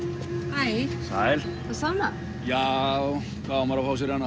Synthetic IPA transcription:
hajsajl | θasana | jaw | kʰvaamaɾafaws̬ɪɾanːa

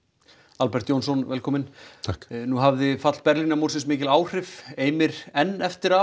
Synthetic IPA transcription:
alpɛɾ̥t̪joːwnsɔnvɛlkʰɔːmɪnʰaknuɦavðɪfat̪l̥̚pɛɾlinamuɾsɪnsmɪːcɪlaːwr̥ɪfeːjmɪɾɛnːɛft̪ɪɾa

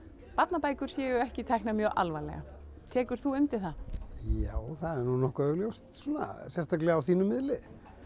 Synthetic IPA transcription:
pat̪napaːjkʏɾ̥sjɛːɣʏɛhcɪt̪ʰɛhknamjœːʔa̰lvajlɛ̰ɣa̰ | t̪ʰɛːkʏɾ̥θuʏmt̪ɪθajaːwθaðɛɾnunɔhkʏœɣljowst̪suːna̰sjɛnst̪aklɛawθiːnʏmːɪðlɪ

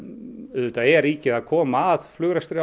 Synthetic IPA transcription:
ðʏt̪aɛɾiːcɪðaðkʰɔːmaːðflʏɣɾast̪ɾɪ

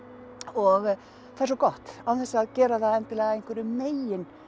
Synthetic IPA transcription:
ɔɣ | θaɾsɔkɔht̪awθɛsːaːðcɛːɾaθaðɛnt̪ɪlɛːɣaejŋ̥kʰvɛɾʏmeːjɪn

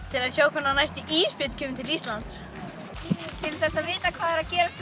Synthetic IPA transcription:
t̪ʰɪlaðçjoːwkʰvanːanajst̪ʏʔiːspɪt̪cʰʏːmɪt̪ʰɪlist̪lant̪s | t̪ʰɪlθɛsːaðvɪːt̪akʰv̥aːðɛɾaðcɛːɾast̪

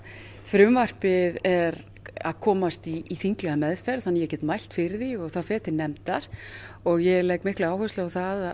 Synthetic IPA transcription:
fɾʏmvar̥pɪðɛɾ | a̰ðkʰɔːmast̪iːθiŋklɛɣamɛðfɛɾðθanːjɛcɛt̪majl̥t̪fɪɾɪðiɔɣθaðfɛːt̪ɪnɛmt̪aɾ̥ | ɔɣjɛɣlɛjkmɪhklɪaːwhœst̪laawθað

